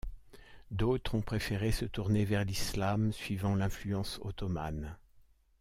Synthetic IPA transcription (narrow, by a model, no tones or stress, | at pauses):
d̪ot̪χɔ̃pχefeʁesət̪uʁnevɛʁlislamsɥivɑ̃lɛ̃flyɑ̃sot̪ɔma̰n